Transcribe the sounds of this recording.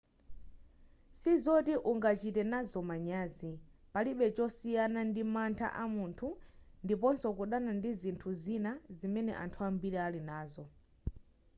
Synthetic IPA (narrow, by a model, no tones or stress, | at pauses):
sizɔtiʔuŋɡat͡ʃitɛnazɔmaɲaːzi | paliɓɛt͡ʃɔsijanandimantʰa̰ʔamuntʰundipɔnsɔkuɗanandizintʰuzinazimɛnɛ̰ʔa̰ntʰuambiɾɛalinaːzɔ